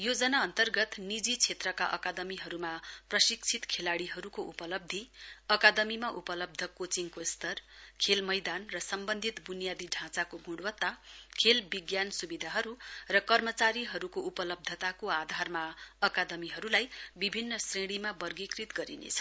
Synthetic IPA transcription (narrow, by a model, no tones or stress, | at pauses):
jod͡zʌnaʌnt̪ʌrɡʌt̪nid͡zit͡sʰet̪rʌka̰ʔʌ̰kad̪ʌmiɦʌɾumaprʌsik̚t͡sʰit̪kʰelaɽiɦʌɾukoʔupʌlʌb̚d̪ʱiʌkad̪ʌmimaʔupʌlʌb̚d̪ʱʌkot͡siŋkost̪ʌrkʰelmʌjd̪anrʌsʌmbʌnd̪ʱit̪bunijad̪iɖʱãt͡sakoɡũɽwʌt̪ːakʰelbiɡjansubid̪ʱaɦʌɾurʌkʌrmʌt͡saɾiɦʌɾukoupʌlʌb̚d̪ʱʌt̪akoad̪ʱarmaʌkad̪ʌmiɦʌɾulajbibʱinːʌsreɽ̃imabʌrɡikrit̪ɡʌɾinḛt͡sʰʌ̥